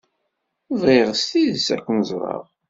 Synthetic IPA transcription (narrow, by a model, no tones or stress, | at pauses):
əvʁeʁst̪iðsækʷːnəzˤɾˤɑ̰ʁ